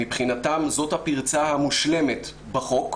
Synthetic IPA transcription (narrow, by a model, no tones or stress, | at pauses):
ipχinatamzo̞thapiʁt͡sahamuʃle̞met | baχo̞k